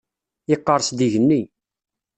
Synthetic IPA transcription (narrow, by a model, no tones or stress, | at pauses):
ɪqːəɾˤsd̪iʝənːi